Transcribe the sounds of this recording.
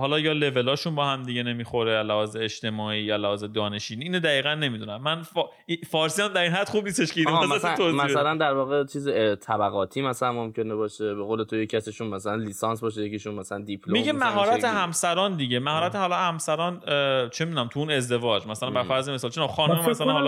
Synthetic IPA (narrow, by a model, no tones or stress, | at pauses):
hɒːlɒːjɒːle̞ve̞lɒːʃunbɒːhæmd̪iɟene̞miːxo̞ɾelæhɒːzeeʃt̪e̞mɒːiːjɒlæhɒːzed̪ɒːne̞ʃiːniːnod̪æiːɣænːe̞mid̪unæmːænf | ifɒɾsiːæmd̪æɾiːnɦæd̪̥χub̚niːst̪eʃcʰeinzæt̪it̪oæælænd̪æɾvɒːɣet͡ʃʰiːzet̪ʰæbæɣɒːt̪ʰiːmæsælænmomcʰe̞nebɒːʃebeɣoːlet̪ʰojecʰæsiʃunmæsælænlisɑnsbɒːʃ̬ejeciʃunmæsælænd̪ipʰlomimɟemæɦɒːɾæt̪ehæmsæɾɒːnd̪iɟe̞mæhɒːɾæt̪ʰehɒːlɒhæmsæɾɒːnt͡ʃʰemid̪unæmt̪ʰuuːne̞zd̪e̞vɒːd͡ʒmæsælænbæɾfæɾzeme̞sɒlt͡ʃʰenɒxɒːnoemæsælænhɒl